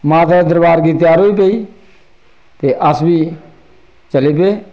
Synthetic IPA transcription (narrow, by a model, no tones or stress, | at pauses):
mãːt̪ɛ̃ːd̪əɾbaːɾɡiːt̪ɪjaːɾɦoːiːpeiː | t̪eːʔəsbiː | t͡ʃəleːp̬eː